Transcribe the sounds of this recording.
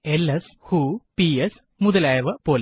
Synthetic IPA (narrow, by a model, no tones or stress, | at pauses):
eleshupies | muðɐlaːjɐʋɨpoːl